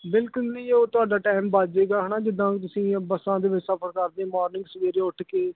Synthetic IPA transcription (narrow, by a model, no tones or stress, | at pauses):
bɪlkʊlnẽĩːoːt̪ʊaːɖaːʈaːmbad͡ʒeːɡaːɦənaːd͡ʒɪd̪ãːkt̪ʊsĩːbəsãːd̪eːʋɪt͡ʃsəpʰəɾkəɾd̪ẽːmɔːɾnɪ̃ŋɡsəʋeːɾeːʊʈʰkeː